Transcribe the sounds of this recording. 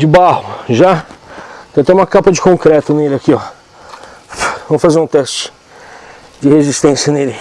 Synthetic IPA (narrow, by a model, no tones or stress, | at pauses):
d͡ʒɪbahʊʒa | t̪ɐ̃ɐt̪ɛ̃ũmɐkapɐd͡ʒɪkõkɾɛt̪ʊnelɪakiɔ | vɐ̃mʊfazeɾũt̪ɛst͡ʃɪ̥ | d͡ʒɪhezist̪ẽsjɐnelɪ